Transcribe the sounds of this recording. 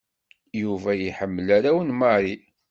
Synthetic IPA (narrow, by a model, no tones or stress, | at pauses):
juvæjiħəmːəlæɾæwənmɑɾˤi